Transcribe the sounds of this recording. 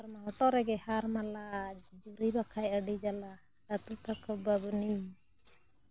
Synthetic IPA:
aɾmaɦɔʈɔɾɛɡɛhaɾmalad͡ʒuɾibakʰajəɖid͡ʒala | ɾat̪ut̪akʰɔbabni

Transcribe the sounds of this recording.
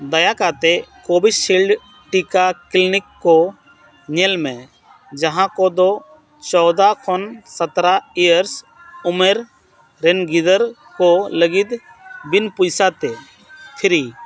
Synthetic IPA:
d̪əjakat̪ekoːbɪsːilɖ | ʈikaklɪnɪkːo | ɲelmẽ | d͡ʒɐɦãkod̪o | t͡ʃɔːd̪akʰɔnsət̪ɾaijəɾs | ʊmeɾ | ɾenɡɪd̪əɾ | koləɡɪd̪ | bɪnpʊjsat̪e | t̪ʰɪɾi

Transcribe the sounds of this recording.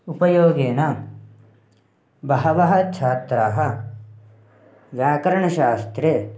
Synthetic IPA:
upɐjoːɡeːnɐ | bɐɦɐʋɐɦɐt͡ʃʰaːt̪ɾaːɦɐ | ʋjaːkɐɾɐɳɐʃaːst̪ɾe

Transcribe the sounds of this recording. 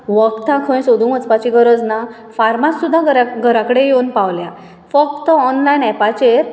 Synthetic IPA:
ʋəkt̪ãkʰə̃jsod̪ũət͡spat͡ɕiɡəɾəd͡zna | faɾmasːud̪ʱːaɡəɾaɡʱəɾakəɽejewnpaʋlja | fək̚t̪əɔnlajnɛpat͡ɕeɾ

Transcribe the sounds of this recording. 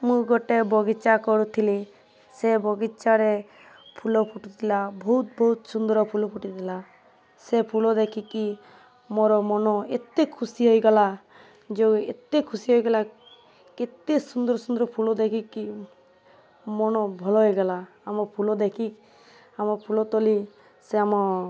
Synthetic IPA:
mũɡɔʈebɔɡit͡ʃakɔɾut̪ʰili | sebɔɡit͡ʃaɾe | pʰulɔpʰuʈit̪ʰilabʱɔɦut̪̚bɔɦut̪sund̪ɾɔpʰulɔpuʈit̪ʰila | sepʰulɔd̪ekʰiki | moɾɔmɔnɔet̪ekʰusiɦojɡala | d͡ʒeḛt̪ekʰusiɦojɡala | ket̪esund̪ɔɾɔsund̪ɔɾɔpʰulɔd̪ekʰiki | mɔnɔbʱɔlɔɦojɡala | amɔɾpʰulɔd̪ekʰi | amɔɾpʰulɔt̪ɔli | seamɔɾ

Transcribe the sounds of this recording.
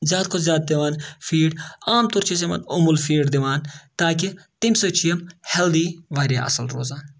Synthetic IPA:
zjaːd̪kʰozʲjaːd̪̚d̪iʋaːnfʰiːɖaːmt̪uɾt͡ʃʰis̬emɐ̰nʊmulfiːɖd̪iʋaːnt̪aːk̬it̪imsot͡ʃʰijɐmheld̪iːʋaːɾʲja̰ʔɐ̰sɐlɾo̰ːzaːn

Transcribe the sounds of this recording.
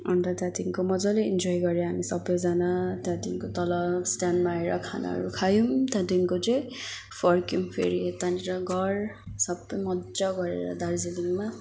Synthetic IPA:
ʌ̰nt̪ʌt̪jat̪iŋkomʌd͡zʌleind͡zojɡʌɾeɦamisʌbːʌjd͡zanat̪jãt̪iŋkot̪ʌlʌbsʈanmaeɾʌkʰa̰na̰ɦʌ̰ɾukʰajumt̪jãt̪iŋkot͡sʌj | pʰʌrkjumpʰḛɾit̪aniɾʌɡʱʌr | sʌbʌjmʌdd͡zʌɡʌɾḛɾʌ̰d̪ard͡ziliŋma

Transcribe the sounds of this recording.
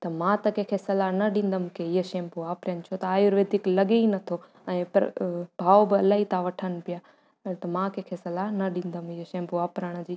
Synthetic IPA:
t̪ɐmãt̪ɐkẽːkʰesɐlanɐɗĩːn̆d̪əmʊkʰeɪɦəʃẽːmpuʋaːpɾənɪt͡ɕʰot̪ɐaːjoɾʋeːd̪ʱiklɐɠeinɐt̪ʰo | ɛ̃ːpɐ̰ɾbʱaːobɪɐlaːɦit̪ãʋɐʈʰənɪ̆pɪjaː | t̪ɐmãkẽːkʰesɐlanɐɗĩːn̆d̪əmɪɦəʃẽːmpuaːpɾəɽ̃əd͡ʑiː

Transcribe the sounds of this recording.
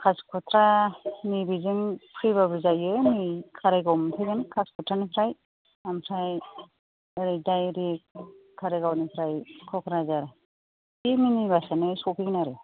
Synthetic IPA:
kʰaskʰɔtʰɾanibizɯŋpʰɾiβabɯzajɯnikʰaɾejɡɔmtʰajɡɯnkʰaskʰɔtʰɾanipʰɾaj | ampʰɾaj | ɾidajɾik | kʰːaɾeɡawnipʰɾajkʰɔkʰɾazaɾ | iminibasanɯsɔpʰiknaɾɯ

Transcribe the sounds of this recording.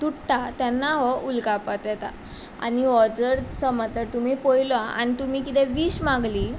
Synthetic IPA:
t̪uʈʈat̪anːaɦɔulkapat̪jɛt̪a | a̰ñiɔd͡zəɾsəməd͡zt̪əɾt̪umiːpojlaa̰ñit̪um̤iːkit̪ɛ̃ʋiːɕmãɡliː

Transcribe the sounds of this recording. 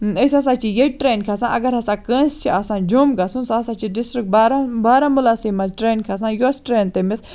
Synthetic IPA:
ɐsʲɐs̬aːt͡ʃʰijeʈɾeːnkʰasãːʔɐɡɐɾɦɐsãkə̃ːnst͡ʃʰiʔasãːd͡ʒomɡasũnsasãːt͡ʃʰiɖisʈɾik̚baɾabaːɾãmulaːsimɐzʈɾeːnkʰas̬ãːjosʈɾeːnt̪emɪs

